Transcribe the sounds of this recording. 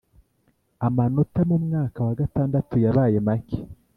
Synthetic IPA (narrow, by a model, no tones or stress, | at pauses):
amanotamumŋaːkawaɡataːndatujaβaːjemaki̥